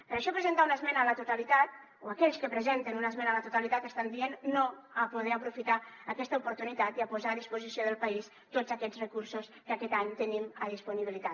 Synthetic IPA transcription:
pəɾəʃɔpɾəzənt̪aunəzmɛnəːlət̪ut̪alit̪at̪̚ | oakɛʎskəpɾəzent̪ənunəzmɛnələt̪ut̪alit̪at̪əst̪and̪ienːoəpuðɛəpɾufit̪aəkɛst̪əupuɾt̪unit̪at̪iəpuzaːðispuzisioðəlˠpəis | t̪ozəkɛd͡zrəkuɾsuskəkɛt̪aɲt̪əniməðispuniβilit̪a

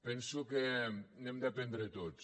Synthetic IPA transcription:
pɛnsukenemd̪apend̪ɾət̪ot̪s

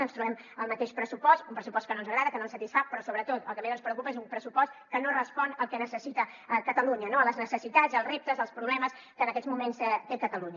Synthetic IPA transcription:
ənst̪ɾuβɛm | əlˠmət̪eʃpɾəsupɔst̪umpɾəsupɔst̚kənonzəɣɾaðəkənonsət̪isfapɾɔsoβɾət̪ot̪ə̰lˠkəmezənspɾəukupəezumpɾəsupɔst̪kənorəspɔnəlˠkɛnəsəsit̪əkət̪əluɲənoələznəsəsit̪ad͡zzəlˠrep̚t̪əzəlˠspɾuβlɛməs | kənəkɛzmumenst̪ekət̪əluɲə

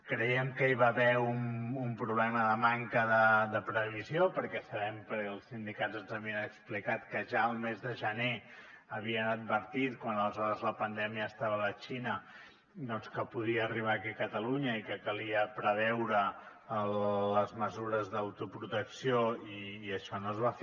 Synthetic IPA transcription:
kɾəjɛmkəiβaβɛumumpɾuβlɛməðəmaŋkəðəðəpɾəβiziopəɾkɛsəβɛmpɾlˠsind̪ikazənzəβiənəksplikat̪kəʒaəlˠmezðəʒəne | əβiənəd̪̚βəɾt̪it̪kwanələzɔɾəzləpənd̪ɛmiəːst̪aβələt͡ʃinə | d̪ɔnskəpuðiəːriβ̞aːkikət̪əluɲəikəkəliəpɾəβɛwɾəː | ləzməzuɾəzðəwt̪upɾut̪əksioiːəʃɔnoəzβaf

